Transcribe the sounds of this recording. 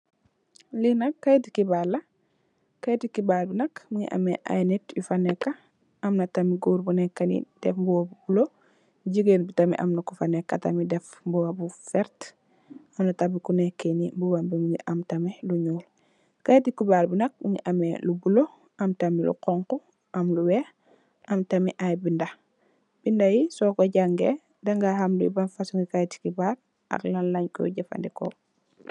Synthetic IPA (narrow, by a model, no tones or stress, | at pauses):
linɐkːajtikibalɐ | kajtikibalbinɐkmuŋḭʔɐ̰mɛʔa̰jnetjufɐnɛkːɐ | ɐmnɐtɐmiɡuːɾbunɛkːɐnḭd̥ɛfbɔwabubulo | ɟiɡenbitɐmɛ̰ʔɐ̰mnɐkufanɛkːɐ̰tɐmidɛfbɔwabufɛɾt | ɐmnɐtabikunɛkːenibubambimuŋḭʔɐmtɐmɛluɲuːl | kajtikubaːlbunɐk̚uŋiʔɐmelubulo | ɐmtamilṵqɔŋku | ʔamluwɛ | ɐmtamiʔajbinda | b̥indajisɔkɔɟaŋɡe | daŋɡahamlṵjḭbanfasuŋɡikajti̥kibaːɾ | a̰klanlaɲkɔ̰ɟafa̰ndɛkɔ̰